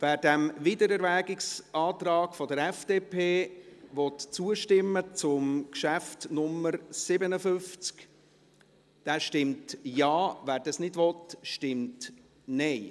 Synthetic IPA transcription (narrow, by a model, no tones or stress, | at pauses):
ʋæːɾd̥æmvidəɾɛɾvæːɡɪksʔɑːtɾɑːɡ̥fɔdəɾɛfd̥eːpʰeːʋɔtt͡suəʃtɪmːət͡sʊmkʃæftnʊmːəɾsɪbənəfʏft͡sk | d̥æːʃtɪmtjɑːvæːɾd̥ɑsnɪdʋɔtʃtɪmt | nɛɪ